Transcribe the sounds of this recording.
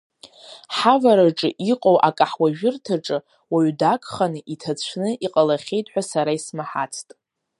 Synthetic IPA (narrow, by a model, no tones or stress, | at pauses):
ħavaɾaʈ͡ʂʼɨʔiqʼowʔakʼaħwaʒᶣɪrtʰaʈ͡ʂʼɨ | waɥdakʼχanɨʔitʰat͡sʷʰnɨʔiqʼalaχʲe̞jtʼħʷᶣasaɾaismaħat͡sʰtʼ